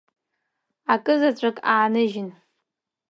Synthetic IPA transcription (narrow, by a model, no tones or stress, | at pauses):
akʼɨzat͡ɕʷʼakʼaːnɨʒɪn